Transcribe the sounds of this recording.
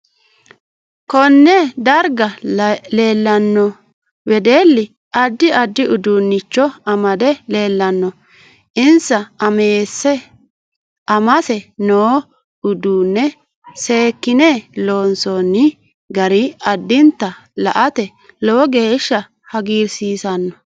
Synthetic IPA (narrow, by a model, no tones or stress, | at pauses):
kɔnːɛd̪ɐɾɡɐle̞ːlːɐnːɔ | wɛd̪eːlːɪ | ʔɐd̪ːɪɐd̪ːɪʊd̪uːnːɪt͡ʃːɔɐmɐd̪ɛle̞ːlːɐnːɔ | ʔɪnsɐɐmeːsːɛ | ʔɐmɐsɛnoː | ʊd̪uːnːɛ | se̞ːkːɪnelo̞ːnsonːɪ | ɡɐɾɪɐd̪ːɪnt̪ːɐlɐ̰ʔɐt̪ɛ | loɡeːʃːɐ | hɐɡiːɾsiːsɐnːɔ̥